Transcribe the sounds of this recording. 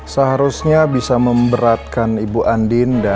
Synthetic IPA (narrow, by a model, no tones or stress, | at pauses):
səɦaɾusɲabisaməmbəɾat̪̚kanibuʔandɪnda